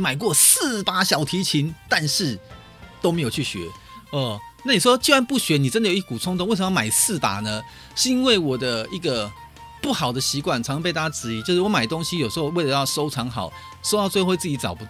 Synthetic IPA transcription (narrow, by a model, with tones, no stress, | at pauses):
ma˨˩ɪkwɔ˥˧˩s̩˥˨pa˥ɕjɑ˨˩ʊt̪ʰi˧˥t͡ɕʰi˧˦nt̪a˥˧nʂɻ̩˥˩ | t̪o˥me˧˥ɪjo˨˩ʊt͡ɕʰy˥˩ɕɥɛ̰˧˦ | ə˨˩na˥˩ni˨˩ʂwɔ˦˥t͡ɕi˥˧wa˧˦npu˥˩ɕɥɛ˨˥ni˨˩ʈ͡ʂə˦˥nd̪ə˨jo˨˩i˥kə˨ku˨˩t͡sʰʊ˥ŋt̪ʰo˥˦we˥˩ɪʂə˧˥˧ma˨˩ɪsɹ̩˥˩t̪a̰˨˩nə˦ | ʂɻ̩˥˧i˥nwe˥˩ɪwɔ˨˩d̪ə˦i˧˥ɡə˨ | pu˥˩xɑ˨˩ʊd̪ə˦ɕi˧˥kwa˥˩nt͡sʰɑ˧˥ŋ˧ɑ˧˥pt̪a˥˩t͡ɕa˧ʈ͡ʂɻ̩˧˥i˧˥t͡ɕjo˥˧ʊʂɻ̩˥˩wɔ˧˦ma˨˩ɪt̪o˥ŋɕi˥jo˨˩ʂ̩˧˥xo˥˧ʊwe˥˩ɪlə˧jɑ˥˩ʊʂo˥ʊʈ͡ʂʰɑ˧˥ŋxɑ˨˩ʊ | so˥ʊtɑ˥˧t͡swe˥˧˥wt͡sɹ̩˥˩t͡ɕi˧˥t͡sɑ˨˩ʊpu˧˥